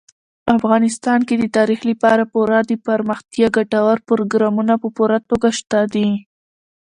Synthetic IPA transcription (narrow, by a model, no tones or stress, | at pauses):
afɣɑnɪst̪ɑnked̪ət̪ɑɾixləpɑɾapuɾɑd̪əpaɾməxt̪jɑɡaʈawaɾpəɾoɡɾɑmunapəpuɾat̪oɡaʃt̪ad̪i